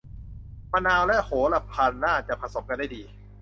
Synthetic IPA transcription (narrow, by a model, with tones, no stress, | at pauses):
ma˧naː˧wlɛ˦˥ʔhoː˩˦la˧˩pʰaː˧nːaː˥˩t͡ɕa˨˩pʰa˧so˩˦mka˧nda˥˩jdiː˧